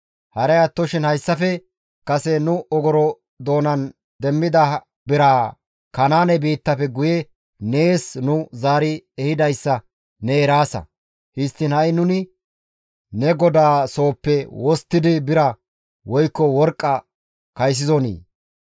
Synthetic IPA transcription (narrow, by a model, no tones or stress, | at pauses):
hɐɾɛjɐt̪ːɔʃɪnhɐjsːɐfɛ | kɐsɛnʊɔɡɔɾɔ | d̪o̞ːnɐn | d̪ɛmːɪd̪ɐ | bɪɾaː | kɐnaːnɛbiːt̪ːɐfɛɡʊjɛ | neːsnʊzaːɾɪɛhɪd̪ɐjsːɐ | nɛːɾaːsɐ̰ | hɪst̪ːɪnhɐjnʊnɪ | nɛɡɔd̪aːso̞ːpːɛwɔst̪ːɪd̪ɪbɪɾɐ | wɔjkːɔwɔɾkʼːɐ | kɐjs̬ɪzɔnḭː